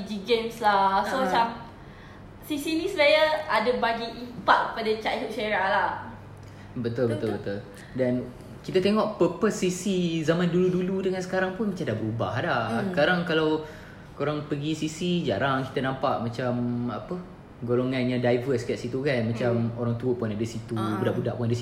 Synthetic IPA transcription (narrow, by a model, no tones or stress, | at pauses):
id͡ʒiɡemslahsomat͡ʃam | sisinĩsəmajaadəbaɡiʔipak̚padət͡ʃaʔɦuʔ̚ʃeɾalah | bət̪ulbət̪ulbət̪ul | dan | kit̪ət̪eŋɔʔpəpəsːisizamãnduluduludəŋansə̥kaɾaŋpʊnmat͡ʃamdaʔbəubahdakaɾaŋkalaw | koɾaŋpəɡisisid͡ʒaɾaŋki̥t̪anãmpaʔmat͡ʃamapə | ɡoloŋãnɲãdajvəskaʔsit̪ukanmat͡ʃamoɾaŋt̪uəpunadəsit̪ubudaʔbudaʔpundəs